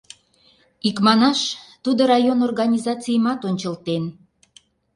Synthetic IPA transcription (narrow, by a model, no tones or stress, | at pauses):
ikmɑnɑʃt̪ud̪oɾɑjonorɣɑnʲizɑt͡sijmɑt̪onʲt͡ɕəlt̪en